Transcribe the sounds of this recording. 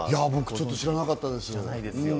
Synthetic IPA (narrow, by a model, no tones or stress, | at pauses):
jabo̞kɯ̟t͡ɕo̞t̪ːoɕiɾanakat̪ːad̪e̞sɨoɯ̟̃